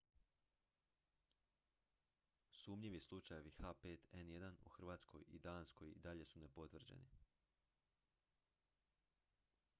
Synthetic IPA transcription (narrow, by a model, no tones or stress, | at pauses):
suːmʎiʋislˠut͡ʃajoʋixape̞ːt̪enjed̪anṵxr̩ʋaːt̪sko̞̰jid̪aːnsko̞jḭd̪aʎe̞sunepo̞t̪ʋr̩d͡ʑḛnḭ